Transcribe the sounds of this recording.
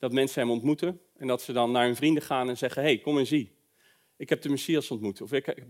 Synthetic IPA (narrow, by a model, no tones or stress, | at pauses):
d̥ɑtmɛnsəɦɛmɔntmutən | ɛndɑtsədɑnːaːɹɦɵnvrindəχaːnɛnzɛχəɦejkɔmɛnzi | ɪkɦɛp̚dəməsiɑsɔntmutəɔfɪk